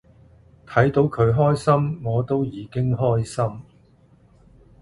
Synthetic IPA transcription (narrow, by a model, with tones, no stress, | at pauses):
t̪ʰɐ˨˥jt̪o˨˥wkʰɵ˨˧ɥɦɔː˥jsɐ˥mŋɔː˨˧t̪o˥wjiː˨˧kɪ˥ŋɦɔː˥jsɐ˥m